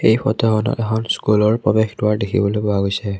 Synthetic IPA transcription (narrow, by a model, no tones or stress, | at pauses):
ejpʰɔ̰tɔkɔnɔ̰tɛxɔnskulɔɹpɹɔbɛxdʊaɹdekʰḭbɔlojbɔaɡojsɛ